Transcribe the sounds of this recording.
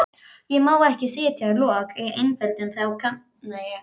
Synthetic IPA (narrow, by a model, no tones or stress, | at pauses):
jɛmaːwɛhcɪseːjat̪ʰɪalɔːkɛejnfɛlt̪ʏnθawkʰa | naj